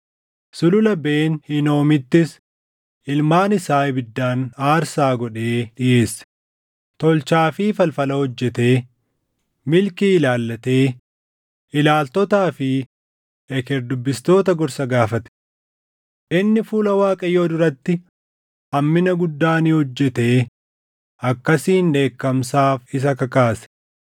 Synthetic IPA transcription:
sʊlʊlɐbeːnhɪno̞ːmɪt̪ːɪs | ɪlmaːnɪsaːbɪd̪ːaːnaːɾsaːɡɔᶑe̞ːᶑɪʔe̞ːsːɐ̥ | t̪ɔlt͡ʃaːfiːfɐlfɐlɐhɔd͡ʒːɛt̪e̞ː | mɪlkiːɪlaːlːɐt̪e̞ː | ʔɪlaːlt̪ɔt̪aːfɪ | ɛkɛɾd̪ʊbːɪst̪o̞ːt̪ɐɡɔɾsɐɡaːfɐt̪ɛ̥ | ʔɪnːɪfuːlɐwaːkʼɐjoːd̪ʊɾɐt̪ːɪ | ɐmːɪnɐɡʊd̪ːaːniːhɔd͡ʒːɛt̪e̞ː | ɐkːɐsiːnᶑe̞ːkːɐmsaːfɪs̬ɐkɐkaːsɛ̥

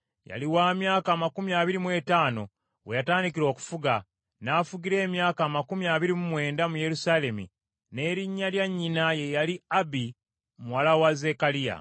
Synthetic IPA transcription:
ja̰liwaːmjaːkaːmakumiaβiɾimwe̞ːtaːno̞ | wejataːndikiɾo̞ːku̥fuɡa | nafuɡiɾe̞ːmjaːkaːmakumiaβiɾimumwe̞ːndamuje̞ɾusaːle̞mḭ | ne̞ːɾiɲːaljaɲːinaje̞jaliabi | muwalawaze̞kalija̰

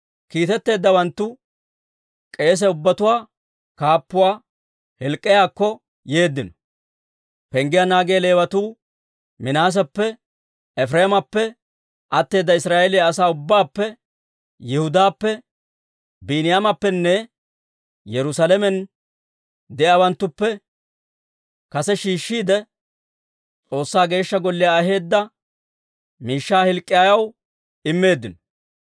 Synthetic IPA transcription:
kiːt̪ɛt̪ːe̞ːd̪ːɐwɐnt̪ːʊ | kʼe̞ːs̬ɛʊbːɐt̪ʊwaː | kaːpːʊwaː | hɛlkʼːɪjaːkːɔ | je̞ːd̪ːɪnɔ̥ | pɛŋɡɪjanaːɡeːle̞ːwɐt̪uː | mɪnaːs̬ɐpːɛ | ɛfɾeːmɐpːɛ | ʔɐt̪ːe̞ːd̪ːɐɪsɾaːʔɛlɪjaːsaːʊbːaːpːɛ | jɛhʊd̪aːpːɛ | biːnɪjamɐpːɛnːɛ | jɛɾʊsalɛmɛn | d̪ɛjaːwɐnt̪ːʊpːɛ | kɐsɛʃiːʃːiːd̪ɛ | t͡sʼo̞ːsːaːɡe̞ːʃːɐɡɔlːɪjaːɦe̞ːd̪ːɐ | miːʃːaːhɪlkʼːɪjaːjɐw | ɪmːe̞ːd̪ːɪnɔ

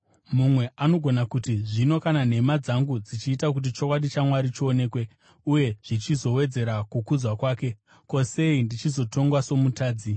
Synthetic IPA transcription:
mumwe̞ʔano̞ɡʱo̞nakutiʐino̞kanan̤e̞mad͡zaŋɡud͡zit͡ʃiːtak̬ut̬it͡ʃokwaɗit͡ʃamwaɾit͡ʃooːne̞ːkwe̞ | uje̞ʐ̥it͡ʃizo̞we̞d͡ze̞ɾakukud͡zwakwaːke̞ | ko̞se̞indit͡ʃizo̞to̞ŋɡwaso̞mutaːd͡zi

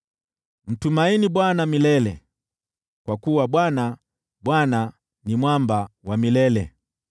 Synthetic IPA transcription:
m̩tumainiɓwanamilɛlɛ̰ | kwakuwaɓwana | ɓwana | nimwambawamilɛlɛ̰

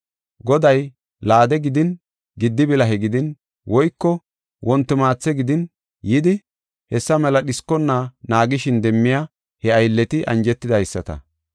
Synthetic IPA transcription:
ɡɔd̪ɐj | laːd̪ɛɡɪd̪ɪn | ɡɪd̪ːɪbɪlɐɦɛɡɪd̪ɪn | wɔjkːɔ | wɔnt̪ːɪmaːt͡sːɛɡɪd̪ɪn | jɪd̪ɪ | hɛsːɐmɛlɐɗɪskːɔnːanaːɡɪʃɪnd̪ɛmːɪja | hɛɐjlːɛt̪ɪʔɐ̰nd͡ʒɛt̪ːɪd̪ɐjsːɐt̪ɐ̰

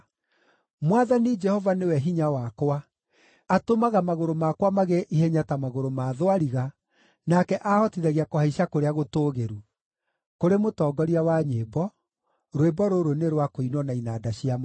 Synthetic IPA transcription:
mwaðanid͡ʒɛhɔvanewɛɦiɲawakwaː | tomaɣamaɣoɾomakwamaɣeʔihɛɲatamaɣoɾomaðowaɾiɣa | nakɛʔahɔtiðɛɣiakohaiʃakoɾeaɣotoːɣeɾu | koɾemotɔːɡɔɾiawaɲebɔ | ɾwebɔɾoɾoneɾwakoinwɔnainaːdaɕiam

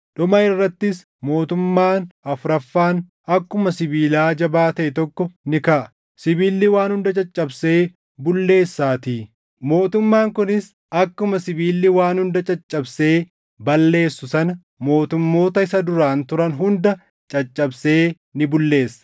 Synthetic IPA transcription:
ᶑʊmɐɪrːɐt̪ːɪs | mo̞ːt̪ʊmːaːnɐfɾɐfːaːn | ɐkːʊmɐsɪbiːlaːd͡ʒɐbaːt̪ɐʔɛt̪ɔkːɔnɪkɐʔɐ̥ | sɪbiːlːɪwaːnhʊnd̪ɐt͡ʃʼɐt͡ʃʼːɐbse̞ː | bʊlːe̞ːsːaːt̪iː | mo̞ːt̪ʊmːaːŋkʊnɪs | ɐkːʊmɐsɪbiːlːɪwaːnhʊnd̪ɐt͡ʃʼɐt͡ʃʼːɐbse̞ː | bɐlːe̞ːsːʊsɐnɐ | mo̞ːt̪ʊmːo̞ːt̪ɐɪsɐd̪ʊɾaːnt̪ʊɾɐnɦʊnd̪ɐ | t͡ʃʼɐt͡ʃʼːɐbse̞ː | nɪbʊlːe̞ːsːɐ̥

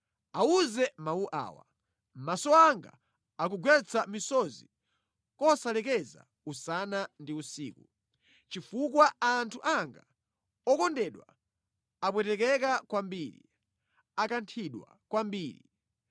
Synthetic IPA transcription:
auzɛmauʔa̰ːwa̰ | m̩masɔaŋɡa̰ | ak̬uɡwɛt͡sʰamisɔzi | kɔsalɛkɛza̰ | usanandiusḭːku | t͡ʃifukwaaːntʰuʔaŋɡa | ɔkɔndɛɗwa | apwɛtɛkɛkakwambiɾḭ | akantʰiɗwa̰ | kwambiːɾi

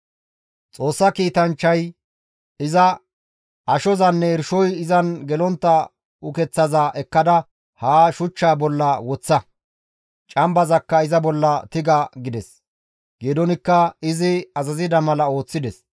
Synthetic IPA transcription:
t͡sʼo̞ːsːɐkiːt̪ɐnt͡ʃːɐj | ɪzɐ | ɐʃɔzɐnːɛɛɾʃɔjɪzɐnɡɛlɔnt̪ːɐ | ʊkɛt͡sːɐzaːʔɛkːɐd̪ɐ | haːʃʊt͡ʃːaːbɔlːɐwɔt͡sːɐ | t͡ʃʼɐmbɐzɐkːɐɪzɐbɔlːɐt̪ɪɡɐɡɪd̪ɛs | ɡ̥ed̪ɔnɪkːɐɪzɪɐzɐzɪd̪ɐmɐlɐo̞ːt͡sːɪd̪ɛs

